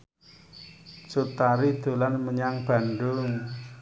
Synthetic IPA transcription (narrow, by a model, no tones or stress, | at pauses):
t͡ʃut̪aɾid̪̥o̤lanməɲaŋb̥ä̤ɳɖʊŋ